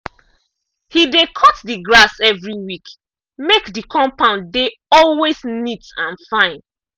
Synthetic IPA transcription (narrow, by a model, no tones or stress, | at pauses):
hidekʰɔtdiɡɹasɛvɹiwik | mekdikʰɔ̃mpãʊ̃ndeɔlwesnitãnfãɪ̃n